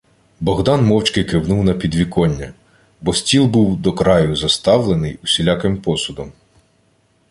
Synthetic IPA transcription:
bɔɣd̪ɑnmɔwt͡ʃkɪkɪwnuwnɐpʲid̪ʋʲikɔnʲːɐ | bɔsʲtʲilˠbuwd̪ɔkɾɑjʊzɐst̪ɑwlˠenɪjusʲilʲɑkɪmpɔsʊd̪ɔm

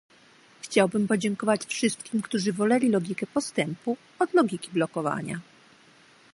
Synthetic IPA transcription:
xt͡ɕawbɘmpɔd͡ʑɛŋkɔvat͡ɕfʂɘst̪̚kʲimkt̪uʐɘvɔlɛlʲilɔɡʲikɛpɔst̪ɛmpu | ɔd̪lɔɡʲikʲiblɔkɔva̰ɲa̰

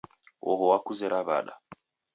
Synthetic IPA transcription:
ɔɦɔwakuzɛɾaβa̰ɗa̰

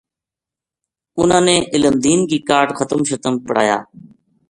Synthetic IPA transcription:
ʊn̤ãːnẽːʔɪləmd̪iːnkiːkaːʈxət̪əmʃət̪əmpəɽ̤a̰ːja̰ː

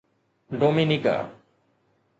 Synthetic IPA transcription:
ɖominika̰a̰

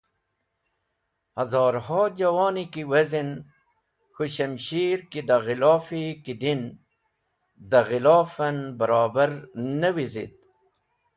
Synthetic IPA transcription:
hɐzɑːɾhɑːd͡ʑɐwɑːnikiwɐzin | xuɕɐmɕiːɾkid̪aɣilɑːfikid̪in | d̪ɐɣilɑːfɐnbɐɾɑːbəɾnɐwizḭt̪̚

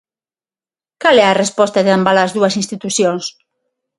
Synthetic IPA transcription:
kalɛarespɔst̪aðeambalazðuasinst̪it̪uθjoŋs

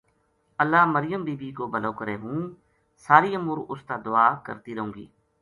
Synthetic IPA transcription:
əlːaːməɾɪjəmbiːbiːkoːbʱəloːkəɾeːɦũː | saːɾiːəmʊːɾʊst̪aːd̪ʊaːkə̰ɾt̪iːɾəɦõːɡḭː

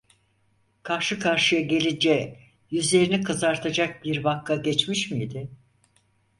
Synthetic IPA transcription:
kʰaɾʃɯkʰaɾʃɯjaɟe̞lʲind͡ʒɛ | jyzlʲe̞ɾinikʰɯzaɾt̪ʰad͡ʒak̚biɾbakʰːaɟɛt͡ʃmiʃmijd̪ɪ

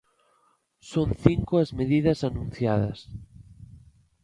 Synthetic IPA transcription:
sõnθiŋkoazmeðiðɐsanũn̟θjaðɐ̰s

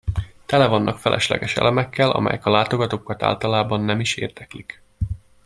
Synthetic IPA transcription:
t̪ɛlɛvɒnːɒkfɛlʔɛʃlɛ̰ɡɛʃɛ̰lɛmɛkːɛlʔɒ̰mɛ̰jɛkɒlaːt̪o̞ɡɒt̪okːɒt̪a̰ːlt̪ɒlaːbɒnːɛmiʃḛːrd̪̥ɛklik

